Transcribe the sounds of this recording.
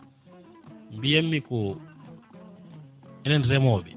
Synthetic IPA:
mbijemiku | ɛnɛndirɛmɔːβḭ

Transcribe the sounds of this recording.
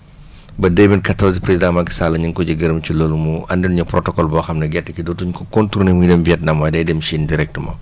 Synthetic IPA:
bɐdɛminkɐtɔzpɾezidãmɐki̥salɐɲiŋkɔɟɐɡɐɾɐmciloːlumuɐndɛnuɲɐprɔtɔkɔlbɔxɐmnɐɡɛtːəkidɔtuɲkɔkɔntuɾnemujidɛmbiɛt̚nɐmɐdɛdɛmʃindiɾɛk̚tmɐ̰

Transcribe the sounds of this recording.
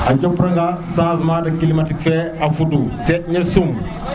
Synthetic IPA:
ʔad͡ʒɔpːɾaŋɡasãːsmadɐkilimatikfɛafudusɛɲɛsum

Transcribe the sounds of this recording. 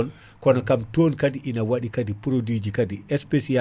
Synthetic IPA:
ɔn | kɔnɔkamtonkadiʔinawaɗikadipɾodid͡ʒikadiɛspesia

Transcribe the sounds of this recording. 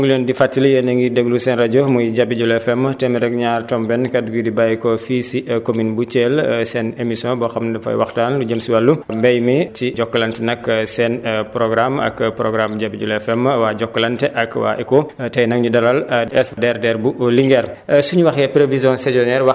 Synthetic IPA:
ŋɡulɛndifatːiləjənɐŋɡidɛɡlusɛnraɟɔmɔjɟabiɟulɛfɛmtɛmɛɾɛk̚ɲaːrtɔmbɛnkɐduɡidibajkɔfisikominbut͡ʃɛːlsɛnemisjɔ̃bɔxɐmdɐfɐ̰jwɐ̰xtaːnluɟəmsiwɐlːumbɛjmitiɟɔkːɐlɐntɛnɐksɛnpɾɔɡɾamɐ̰kpɾɔɡɾamɟabiɟulɛfɛmwaɟɔkːɐlɐntɛʔɐkwa̰ʔɛkotɛjnɐŋɲudɐɾalɛsdɛrdɛɾbuliŋɡɛɾsuɲuwɐxjɛpɾevizjɔ̃sɛzɔnɛːɾwɐ

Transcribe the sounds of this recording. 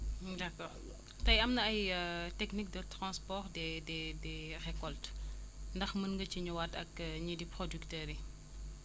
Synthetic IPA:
dakɔː | tɐjɐmnɐɐjətɛknik̚dɐtɾãnspɔːrdɛdɛdɛrɛkːɔltndɐxmənŋɡət͡ʃiɲuwatɐ̰kɲidipɾodyktəːɾi

